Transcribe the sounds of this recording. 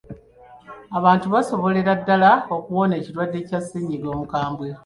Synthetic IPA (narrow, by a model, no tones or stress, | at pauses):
aβaːntuβaso̞βo̞le̞ɾadːalaokuwo̞ne̞ːciɾwadːe̞casːiːɲiɡo̞ːmukaːmbwe